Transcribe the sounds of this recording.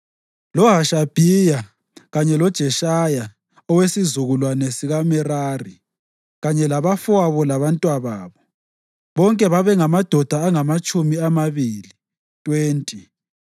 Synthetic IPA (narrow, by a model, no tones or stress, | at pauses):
lɔɦaʃab̥ʱija | ɣaɲɛlɔd̥ʒ̥ʱɛʃaja | ɔwesizuɣulwanɛsiɣamɛrari | ɣaɲɛlaβafaβɔlaβantʼwaβaːβɔ | βɔŋkʼɛβaβɛŋamad̥ʱɔd̥ʱaːŋamat͡ʃʼumiamaβiːli | tʼweːntʼi